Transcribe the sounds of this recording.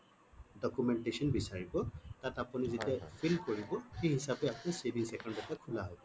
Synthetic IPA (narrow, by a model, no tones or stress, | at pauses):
dɔkumɛntesɔnbisaɹibɔtatapunizitiapʰilkoɹibɔxejɦisapɛapnisebiŋsɛkɔndɔtakʰulaɦɔjbɔ